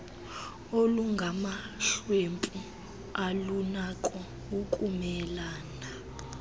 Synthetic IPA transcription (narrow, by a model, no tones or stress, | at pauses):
oluŋɡʱama | ɬwempʼu | alunakʼɔ | ukʼumɛlaːna